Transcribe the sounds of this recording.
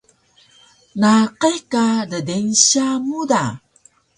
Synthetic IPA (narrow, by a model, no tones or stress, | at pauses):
naqekadədenɕamuda